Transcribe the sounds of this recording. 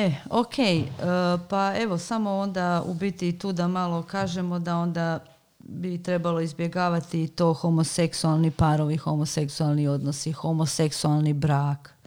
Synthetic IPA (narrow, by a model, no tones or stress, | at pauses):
eokʰejəpae̞ʋo̞samo̞o̞nd̪aṵbit̪it̪uːd̪amalˠo̞kaːʒe̞mo̞d̪ao̞nd̪a | bit̪ɾe̞balo̞izbje̞ɡaːʋat̪it̪o̞ːxo̞mose̞ksualˠnipaɾoʋixo̞mose̞ksualˠnio̞d̪nosixo̞mose̞ksualˠnibɾaːk